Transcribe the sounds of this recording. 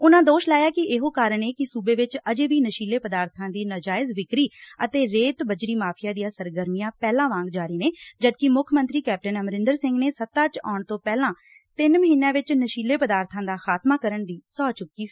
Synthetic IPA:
ʊnãːd̪oːʃlaːjaːkɪeɦoːkaːɾəɳeːkɪsuːbeːʋɪt͡ʃəd͡ʒeːbiːnəʃiːleːpəd̪aːɾt̪ʰãːd̪iːnəd͡ʒaːɪzʋɪkɾiːət̪eːɾeːt̪bəd͡ʒɾiːmaːpʰɪjãːd̪ijãːsəɾɡəɾmijãːpɛːlãːʋãːŋɡd͡ʒaːɾiːneːd͡ʒəd̪kɪmʊkʰmənt̪ɾiːkɛːp̚ʈənəmɾɪ̃nd̪əɾsɪ̃ŋɡneːsət̪ːãːt͡ʃa̰ːɳt̪õːpɛːlãː | t̪ɪnməɦiːnjãːʋɪt͡ʃnəʃiːleːpəd̪aːɾt̪ʰãːd̪aːxaːt̪maːkəɾəɳd̪iːsɔːt͡ʃʊkːiː

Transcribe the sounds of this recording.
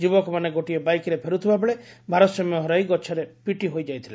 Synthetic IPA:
d͡ʒubɔkɔmaneɡoʈiɔbajkɾepʰeɾut̪ʰibabeɭebʱaɾɔt̪sɔmɔɦɔɾajɡɔt͡ʃʰaɾepiʈiɦojd͡ʒajt̪ʰile

